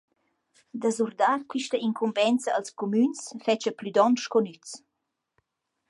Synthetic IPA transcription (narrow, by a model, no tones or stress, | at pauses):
d̪əzurd̪arkwiʃtəiŋkʰumbɛnt͡səːlskomynsfɛt͡ʃəplyd̪ɔnʃkɔnyt͡s